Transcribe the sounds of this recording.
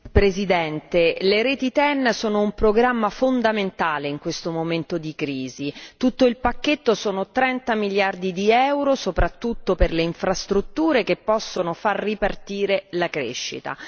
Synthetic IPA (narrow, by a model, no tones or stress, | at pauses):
pɾezid̪ɛnt̪eleɾeːt̪it̪ɛnːsoːnoumpɾoɡɾamːafond̪ament̪aːleiŋkwest̪omoment̪od̪ikɾiːzit̪ut̪ːoilpakːet̪ːosoːnot̪ɾɛnt̪amiljard̪id̪iɛwɾosopɾat̪ːut̪ːoperleiɱfɾast̪ɾut̪ːuːɾekepːɔsːonofarːipart̪iːɾelakɾḛʃːḭt̪a̰